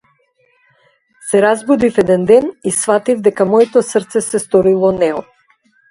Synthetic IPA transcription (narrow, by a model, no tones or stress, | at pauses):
sɛɾazbud̪ifɛd̪ɛnd̪ɛnisfat̪ivd̪ɛkamɔɛt̪ɔsrt̪sɛsɛst̪ɔɾilˠɔnɛɔ